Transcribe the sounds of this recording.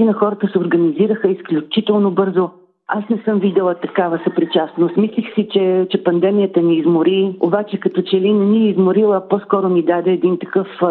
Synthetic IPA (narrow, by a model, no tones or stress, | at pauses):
inɐxɔɾət̪əsɛoɾɡɐniziɾəxəisklʲut͡ʃit̪ɛlˠnobɤɾzo | asnɛsɤmvid̪ɛlˠət̪ɐkavəsɐpɾit͡ʃasnost̪mislixsit͡ʃɛt͡ʃɛpɐnd̪ɛmijət̪əniːzmoɾio̰bat͡ʃɛkɐt̪ɔt͡ʃɛlinɐniɛizmʊɾilˠəpɔskɔɾʊnid̪ad̪ɛːd̪int̪ɐkɤf